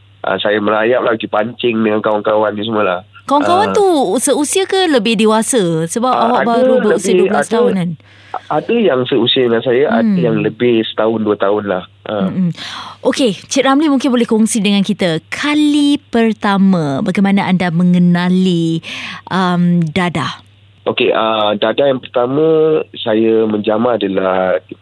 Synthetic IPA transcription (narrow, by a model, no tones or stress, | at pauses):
ʔa̰sajaməlajaʔ̚lahɡipaɲt͡ʃɪŋdəŋankawaŋkawanis̬uməlahkawaŋkawant̪usəusiakələbɪhdewasəsəbapawabaɾubəusiədulasə̥t̪aɦʊnan | adəjaŋsəusiadəŋansajaʔa̰djaŋləbɪhsə̥t̪aʊnduat̪aʊnlah | ʔəm̩ʔoket͡ʃɛʔ̚ramlimũŋkɪnbolɛhkɔŋsidəŋãnkit̪əkʰalipərt̪amãbaɡajmanəʔandamə̃ŋənãliʔəmdada | ʔokeʔəmdadajaŋpərt̪amə̃sajəmə̃ɲd͡ʒamaadalah